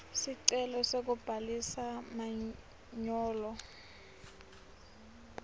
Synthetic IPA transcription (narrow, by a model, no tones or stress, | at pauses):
siǀɛlɔsek̬ub̥ʱalisama | ɲɔːlɔ